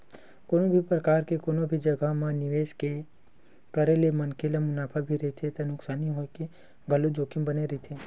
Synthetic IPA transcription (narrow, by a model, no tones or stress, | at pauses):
koːnobʱipɾəkaːɾkekoːnobʱid͡ʒɐɡʱəmãnɪʋeːske | kəɾelemɐnkʰelamʊnaːpʰabʱiɾɐɦit̪ʰet̪ɐnʊksaːniɦoːke | ɡʱɐlod͡ʒoːkɪ̃mbəneɾit̪ʰeː